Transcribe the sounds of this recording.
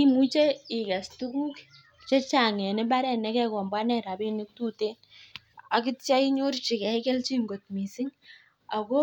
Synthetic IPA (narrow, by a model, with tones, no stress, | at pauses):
i˦mu˦t͡ʃe˦i˨ka˨stu˦ku˦k | t͡ʃe˦t͡ʃa˨ŋɛ˨nɪ˦ba˦ɾɛ˨nɛ˦kɛ˦kɔ˨mba˦nɛ˨ɾa˨bi˦ni˦k̚tu˦te˦n | a˨ki˦tt͡ʃa˦i˦ɲo˦ɾt͡ʃi˨kɛ˨kɛ˦lt͡ʃi˦ŋɡo˨tmi˨si˦ŋ | a˨ko˦